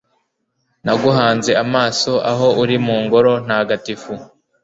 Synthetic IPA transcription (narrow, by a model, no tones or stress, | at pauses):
naɡuɦaːnze̞amaːso̞ʔa̰ɦo̞ʔuɾimuːŋɡoɾo̞n̥aaɡatifu